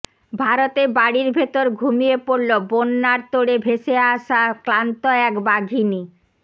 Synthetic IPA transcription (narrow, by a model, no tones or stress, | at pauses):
bʱaɾot̪ebaɽiɾbʱet̪oɾɡʱumijepoɾlobonːaɾt̪oɽebʱeʃeaʃaklant̪oɛkbaɡʱini